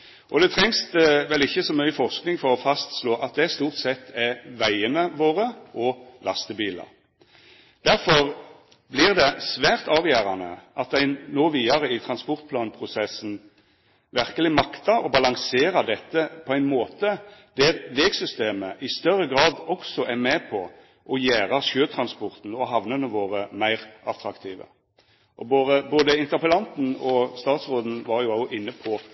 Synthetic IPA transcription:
ʔɔd̪ɛt̪ʰʁɛŋsʋɛlɪçːəsɔmœʏəfɔʁsknɪŋfɔʁɔfɑst̪sloːʔɑt̪̚d̪ɛst̪uːʁt̪sɛt̪ʰːæʋæɪənəʋoːʁəʔɔlɑst̪əbiːlə̰ɾ | d̪̥æɾfɔʁ | blɪʁd̪ɛsʋæːʁt̪ɑːʋjæːɾɑnə̰ʔɑt̪̚d̪æɪnoːʋiːɑʁəɪt̪ʰɾɑnspɔʁt̪̚pʰlɑːnpʰʁʊsɛsːn̩ | ʋæʁkəlɪmɑkt̪ɑɾɔbɑlɑŋseːɾɑd̪ɛt̪ːəpʰɔæɪnmoːt̪əd̪̥æɾʋeːɡsʏst̪eːməʔɪst̪œɾːəɡʁɑːd̪ɔksɔʔæʁmɛːpʰɔ | ʔɔjæːʁɑʂøːt̪ʰʁɑnspɔʁt̪n̩ɔɦɑʋnənəʋoːʁəmæɪʁʔɑt̪ʰɾɑkt̪ʰiːʋə̰ | ʔɔboːd̪əboːd̪əɪnt̪əʁpəlɑnt̪n̩ɔst̪ɑːt̪sʁoːd̪n̩ʋɑʁjʊɑʊʔɪnːəpʰɔ

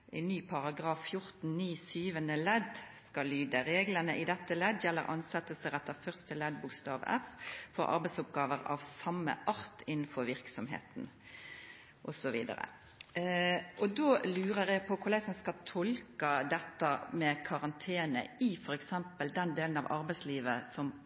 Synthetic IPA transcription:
ʔɛɪnːyːpʰɑʁɑɡɾɑːfːjʊɾt̪n̩niːsyːʋənəlɛd̪skɑlyːd̪əɾeːɡlənəʔɪd̪ɛt̪ːəlɛd̪jɛlːə̰ɾʔɑ̰nsɛt̪ːəsəɾɛt̪ːəfœʁst̪əlɛd̪̚bʊkst̪ɑːʋɛ̰ffɔɾʔɑ̰ɾbɛɪt̪sʊp̚ɡɑːʋəɾɑ̰ʋsɑmːə̰ʔɑɾt̪ɪnːn̩fɔɾʋɪɾksɔmɦḛːt̪n | ʔɔsɔʋḭːd̪ə̰ɾə̰ | ʔɔd̪oːlʉːɾəʁjɛɡpʰɔkʰʊɾlɛɡsɔmskɑt̪ʰɔlkəd̪ɛt̪ːəmɛkʰɑʁɑnt̪ʰeːnə̰ɪfɔɾɛksɛmpəld̪ɛnd̪eːlən̩ɑ̰ʋʔɑɾbæɪsliːʋəsɔm

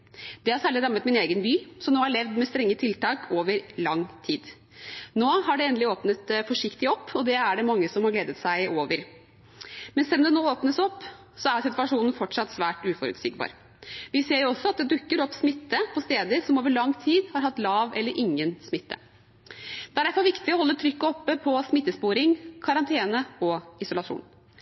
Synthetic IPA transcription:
d̪̥ɛhɑɾsæːɭɪɾɑmːət̪mɪneːɡənbyːsɔmnoːhɑɭɛʋd̪mɛst̪ɾɛŋːət̪ʰɪlt̪ɑːkʰoːʋəɾlɑŋːt̪ʰiːd̪ | noːhɑɖɛɛnd̪lɪoːpnət̪fɔʂɪkt̪ɪɔpːɔd̪ɛæɖɛmɑŋːəsɔmhɑɾɡleːd̪ət̪sæɪʔoːʋəɾ | mɛnsɛlːɔmd̪ɛnoːoːpnəsɔpː | sɔæsɪt̪ʉɑʂuːnn̩fɔʈʂɑt̪ːsʋæːʈʉːfɔɾʉ̰t̪sḭːɡbɑ̰ːɾ | ʋɪseːɾjʊɔsːɔɑt̪̚d̪ɛd̪ʉkːəɾɔpːsmɪt̪ːəpʰɔst̪eːd̪əɾsɔmoːʋəɭɑŋːt̪ʰiːd̪hɑɾɦɑt̪ːlɑːʋɛlːəɾʔɪŋːənsmɪt̪ːə̰ | d̪̥ɛæɖæɾfɔɾʋɪkt̪ɪɔhɔlːət̪ʰɾʏkːəɔpːəpʰɔsmɪt̪ːəspuːɾɪŋkʰɑɾɑnt̪ʰeːnəɔɪsʊlɑʂṵːn

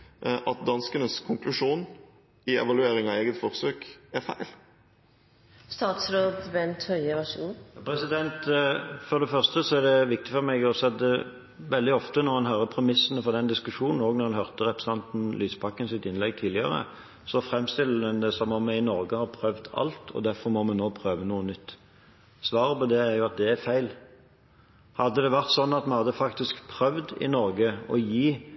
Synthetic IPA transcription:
ʔɑt̪̚d̪ɑnskənəskʰʊŋklʉʂuːn | ɪɛ̰ʋɑlʉeːɾɪŋɑeːɡət̪fɔɾsøːkæɾfæɪl | st̪ɑːt̪sɾoːd̪bɛnt̪hœʏəʋɑʃṵːnpʰʁɛsɪd̪ɛnt̪fɔʁd̪ɛfœʁst̪əsɔæʁd̪ɛʋɪk̚t̪ɪfɔɾmɛɡɔsɛd̪ə | ʋɛld̪ɪɔft̪ənɔʁhɑnɦœːɾəpʰɾɛmɪsːnəfɔʁd̪ɛnd̪ɪskʉʂuːnn̩oːɡnɔʁhɑnhœʁt̪əɾɛpɾəsɛnt̪n̩lyːspɑkːənsɪt̪ɪnlɛɡ̚t̪ʰiːlɪə̰ɾə̰ | sɔfɾɛmːst̪ɪlːəd̪ɛnd̪ɛsɔmɔmɛɪnɔɾɡəhɑːʁpʰɾœʋd̪ɑ̰lt̪ʰɔ̰d̪æɾfɔɾmɔmɛnoːpʰɾøːʋənuːənʏt̪ː | sʋɑːɾəpɔd̪ɛæɾjʊɑt̪̚d̪ɛæɾfæɪl | hɑd̪ːəd̪ɛʋæʁt̪sɔnːɑt̪mɛnhɑd̪ːəfɑkt̪ɪskpʰɾœʋd̪ɪ̰nɔɾɡəɔjiː

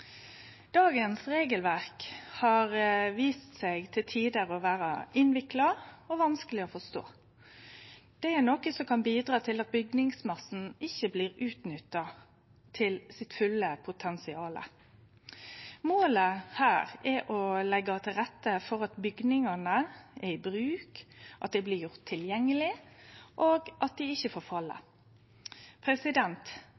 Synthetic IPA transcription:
d̪̥ɑːɡənsɾeːɡəlʋæʁkhɑʁʋiːst̪sɛɡt̪ʰɪlt̪ʰiːd̪əʁɔʋæːɾɑ̰ɪnʋɪklɑɔʋɑnskəlɪɔfɔst̪o̰ː | d̪̥ɛæɾnɔkəsɔkʰɑnbiːd̪ɾɑːt̪ʰɪlɑt̪̚bʏɡnɪŋsmɑsn̩ɪçːəbliːʁʉːt̪nʏt̪ːɑ | t̪ʰɪlsɪt̪fʉlːəpʰʊt̪ʰɛnsɪɑːlə̰ | moːləhæːɾɛʔɔlɛɡɑt̪ʰɪlʁɛt̪ːəfɔɾɑt̪bʏɡnɪŋɑnəɛɾɪbɾʉːkʔɑt̪̚d̪ɛɪblɪjʊʁt̪ʰːɪljɛŋːəlɪʔoːɡʔɑt̪̚d̪ɪɪçːəfoːɾfɑlːə̰ | pʰɾɛsɪd̪ɛnt̪

